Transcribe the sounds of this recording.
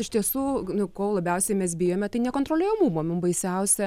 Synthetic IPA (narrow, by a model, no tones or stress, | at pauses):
ɪʃt̪ʲiɛsuːnʊkoːlˠɐbʲɛʊsʲɛɪmʲɛsbʲɪjoːmʲɛt̪ɐɪnʲɛkoːnt̪ɾoːlʲeːjoːmuːmoːmʲʊmbɐɪsʲɛʊsʲɛ